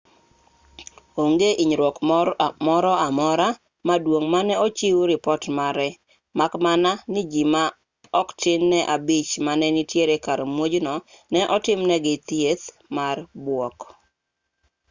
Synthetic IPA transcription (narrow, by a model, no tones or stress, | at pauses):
oŋɡeʔiɲɾwɔkmɔɾɔamɔɾa | madwoŋmanɛɔt͡ʃiwuɾɪpɔtmaɾɛ | makmananɪd͡ʒima | ɔktɪnːɛʔabit͡ʃmanɛnitjeɾekaɾmwod͡ʒnɔ | nɛʔɔtɪmnɛɡɪt̪jet̪ | marbwɔk